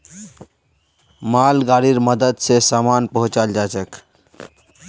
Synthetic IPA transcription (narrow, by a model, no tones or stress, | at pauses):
malɡaɾiɾməd̪əd̪sesamanpəɦũt͡ʃald͡ʒat͡ʃək